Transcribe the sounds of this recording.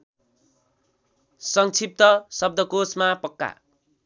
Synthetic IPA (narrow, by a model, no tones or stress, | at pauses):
sʌŋt͡sʰip̚t̪ʌsʌb̚d̪ʌkosmapʌkːa̰